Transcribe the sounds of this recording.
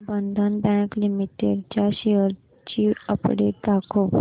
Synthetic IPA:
bənd̪ʱənbɛ̃ŋklimit̪eɾt͡ɕjaɕeəɾ | t͡ɕiəpɽeʈakʰoʋ

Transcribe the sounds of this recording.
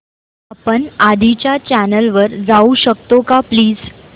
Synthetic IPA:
apəɳad̪ʱit͡ɕjat͡ɕænəlʋəɾd͡zauɕək̚t̪okapliːd͡z

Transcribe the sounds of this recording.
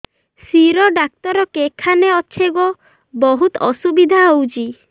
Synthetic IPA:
siɾɔɖak̚t̪ɔɾɔkekʰaneɔʃʰeɡɔ | bɔɦut̪ɔsubid̪ʱaɦowt͡ʃʰi

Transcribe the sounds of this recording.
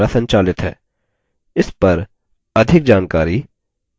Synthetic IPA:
asɐ̃ɲt͡ʃaːlɪt̪ɦɛ̰ː | ɪspɐɾ | ɐd̪ʱɪk̚d͡ʒaːnkaːɾi

